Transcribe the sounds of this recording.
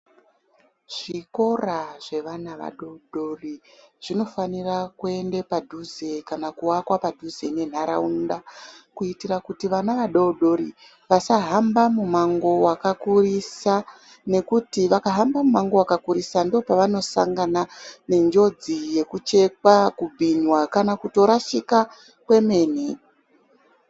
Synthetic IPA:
ʐ̥iko̞raʐe̞ʋanaʋa̰ɗo̞ɗo̞riʐ̥ino̞fanirakue̞nde̞padʱuze̞kanakuwakwapadʱuze̞ne̞n̤aɾa̰undakuitirakutiʋanaʋaɗoɗo̞ɾi | ʋasaɦambamumaŋɡo̞wakakurisa | ne̞kutiʋakaɦambamumaŋɡo̞wakakuɾisandiopaʋano̞sa̰ŋɡanane̞nd͡ʒo̞d͡zije̞kut͡ʃe̞k̚wakubʱiɲwakanakuto̞ɾaʃika | kwe̞me̞ːn̤i

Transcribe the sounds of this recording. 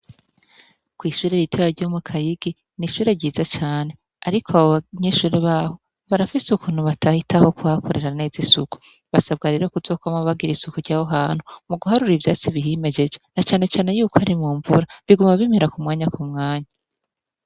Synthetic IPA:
kwiːʃuːɾeɾitʰeβaɾɟomukʰajiɡ̥i | niʃuːɾe̞ɾɟiːzat͡ʃaːne̞ | aɾikʰoaβoβaɲeʃuːɾeβaːho̞ | βaɾafisukuːn̥huβatʰahitʰaho̞kuhakʰoɾe̞ɾane̞ːzisuku̥ | βasabɡaɾiɾokuzo̞ːkomaβaɡiɾisukuɾɟaːhoɦaːn̥humuɡuɦaɾuɾivjaːt͡siβiɦime̞d͡ʒe̞d͡ʒenat͡ʃaːne̞t͡ʃaːne̞juːkohaɾimuːɱvuɾaβiɡumaβimeɾakumŋaːɲakumŋaːɲa

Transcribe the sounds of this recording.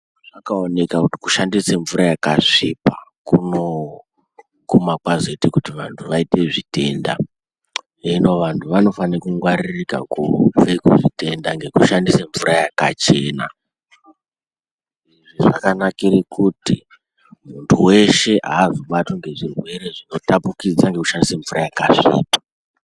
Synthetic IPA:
ʐakaone̞kakuti̥ku̥ʃandiseɱvuɾajakaʂipakuno | kumakwazetikutiʋantʰuʋaite̞ʐite̞nda̰ | eno̞ʋantʰuʋano̞fankuŋɡwaɾiirika̰kufekuʐite̞ndaŋɡe̞kuʃandiseɱvuɾajakat͡ʃe̞na̰ | iʐiʐakanakirikʰutḭ | muntʰuwe̞ʃe̞ʔa̰ːzoɓato̞ŋɡe̞ʐirwe̞ɾeʐino̞tapukid͡zaŋɡe̞kuʃandiseɱvurajakaʐḭːto̥

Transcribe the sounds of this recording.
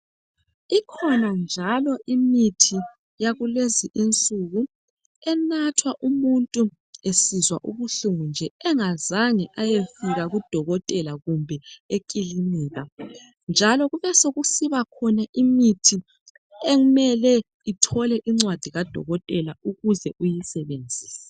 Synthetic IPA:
ikʰɔnand͡ʒʱalɔʔimitʰi | jaɣuleziʔint͡sʼuɣu | ɛnatʰwaʔumuntʼu | esizwa̰ʔuβuɬuŋund͡ʒʱɛɛŋazaŋiʔajefiɣaɣud̥ʱɔɣɔtʼɛlaɣumbʱɛekʼiliniːɣa | nd͡ʒʱalɔɣuβɛsoɣusiβakʰɔnaʔimitʰi | eŋumɛlɛ | itʰɔlɛʔiŋ͡ǀwad̥ʱiɣad̥ʱɔ̰ɣɔtʼɛlauɣuzɛʔujisɛβend͡zʱiːsḁ

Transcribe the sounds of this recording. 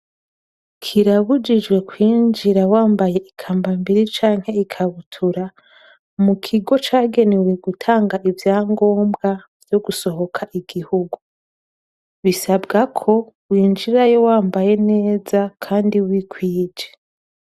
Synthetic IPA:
kʰiɾaβud͡ʒid͡ʒɡwe̞kwiːnd͡ʒiɾawaːmbaje̞ʔikʰaːmbambiɾit͡ʃaːŋ̥he̞ikʰaβutʰuɾa | mukʰiɡo̞t͡ʃaːɡe̞newe̞ɡutʰaːŋɡaʔivjaːŋɡo̞ːmbɡa | vjo̞ɡuso̞ɦo̞kʰaʔiɡ̥ihuɡu | βisabɡakʰo̞ | wiːnd͡ʒiɾajowaːmbaje̞ne̞ːzakʰaːndiwikwiːd͡ʒe

